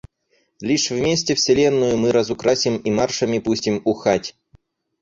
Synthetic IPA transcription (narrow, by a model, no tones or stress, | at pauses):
lʲiʂvmʲesʲtʲɪfsʲɪlʲenːʊjʊmɨɾɐzʊkɾasʲimimarʂɐmʲɪpusʲtʲimʊxatʲ